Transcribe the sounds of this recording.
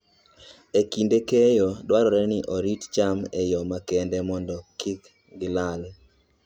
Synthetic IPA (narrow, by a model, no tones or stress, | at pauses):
ekindekejɔdwaɾɔɾɛnɪʔoɾitt͡ʃamejɔmakɛndɛmɔndɔkik | ɡɪlal